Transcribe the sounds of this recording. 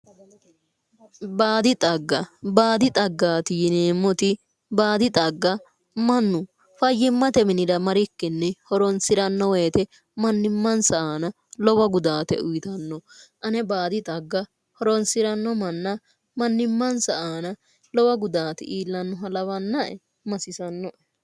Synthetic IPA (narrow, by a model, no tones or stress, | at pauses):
baːd̪ɪt̪ʼɐɡːɐbaːd̪ɪt̪ʼɐɡːaːt̪ɪjɪneːmːɔt̪ɪ | baːd̪ɪt̪ʼɐɡːɐ | mɐnːʊ | fɐjːɪmːɐt̪ɛmɪnɪd̪ɐmɐɾɪkːɛnːɛhɔɾɔnsɪɾɐnːɔweːt̪ɛ | mɐnːɪmːɐnsɐʔaːnɐ | lɔwɐɡʊd̪aːt̪ɛ̰ʊjɪt̪ɐnːɔʔɐnɛbaːd̪ɪt̪ʼɐɡːɐ | hɔɾɔnsɪɾɐnːɔmɐnːɐ | mɐnːɪmːɐnsɐʔaːnɐ | lɔwɐɡʊd̪aːt̪ɪ̰ʔiːlːɐnːʊɦɐlɐwɐnːɐʔɛ̰ | mɐsɪsɐnːɔʔɛ